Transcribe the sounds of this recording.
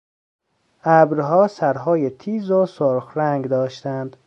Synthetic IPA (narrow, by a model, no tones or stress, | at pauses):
ʔæbɾɦɒːsæɾɦɒːjet̪ʰiːzosoɾxɾæŋɡd̪ɒːʃt̪ænd̪̥